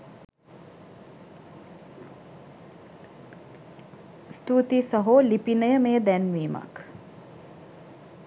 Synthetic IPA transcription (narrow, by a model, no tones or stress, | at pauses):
st̪uːt̪isəɦoːlipinəjəmeːd̪ænʋiːma̰k